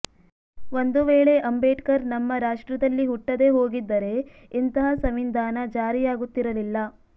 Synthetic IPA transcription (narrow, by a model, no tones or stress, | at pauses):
ʋo̞nd̪uʋeːɭe̞ʔɐmbeːʈkɐɾnɐmːɐɾaːʂʈɾɐd̪ɐlːiɦuʈːɐd̪e̞ɦo̞ːɡid̪ːɐɾe̞ | int̪ɐɦɐsɐmind̪ʱaːnɐd͡ʒaːɾijaːɡut̪ːiɾɐlilːɐ